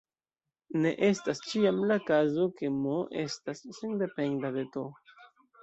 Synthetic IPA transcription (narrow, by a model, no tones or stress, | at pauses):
ne̞̰ʔe̞stast͡ʃiamlakazo̞ke̞moʔe̞̰stasːende̞pe̞ndade̞to